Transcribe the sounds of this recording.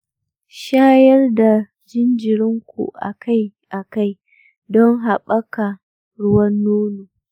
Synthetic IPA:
ʃaː˦jɐ˦rda˨ | d͡ʒɪ˦nd͡ʒɪ˨ɾɪ˦ŋkʷṵ˨ʔa̰˨kʰa˦j | ʔa˨ka˦j | dɔ˦ŋɦa˨ɓɐ˦ka˨ | ɽʊ˦wɐ˦nːuː˦nuː˨

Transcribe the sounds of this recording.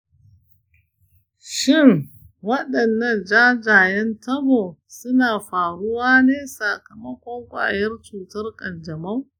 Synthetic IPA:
ʃɪ˦˨ŋ | wɐ˦ɗɐ˨nːɐ˦˨nd͡ʒaː˦d͡ʒaː˨jɐ˦ntɐ˦boː˨sʊ˦naː˨ɸaː˨ɽʊ˦waː˦neː˦saː˨kɐ˨mɐ˦kʷɔ˦ŋkʷʼa̰ː˨jɐ˦rt͡ʃuː˨tɐ˦rkʼɐ˨nd͡ʒɐ˨mɐ˦w

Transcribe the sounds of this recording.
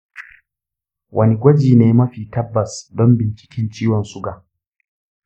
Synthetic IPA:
wʔɐ˦ni˨ɡʷɐ˦d͡ʒiː˨neː˦mɐ˦ɸiː˨tɐ˦bːɐ˨sdɔ˦mbɪ˨nt͡ʃɪ̥˦kʲɪ˦nt͡ʃiː˦wɔ˨nsʊ˦ɡaː˨

